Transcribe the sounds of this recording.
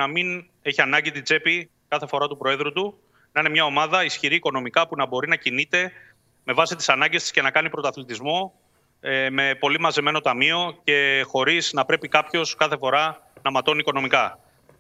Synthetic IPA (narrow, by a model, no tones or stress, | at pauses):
nɐmin | e̞çiɐnɐɲɟit̪id͡ze̞pi | kɐθe̞fo̞ɾɐt̪upɾo̞e̞ðɾut̪u | nɐine̞mɲɐo̞mɐðɐisçiɾiːko̞no̞mikɐpunɐbo̞ɾinɐcinit̪e̞ | me̞vɐsit̪i̥sɐnɐɲɟest̪isce̞nɐkɐnipɾo̞t̪ɐθlit̪izmo̞ | me̞po̞limɐzeme̞no̞t̪ɐmio̞ce̞xo̞ɾiznɐpɾe̞pikɐpço̞skɐθe̞fo̞ɾɐnɐmɐt̪o̞niko̞no̞mikɐ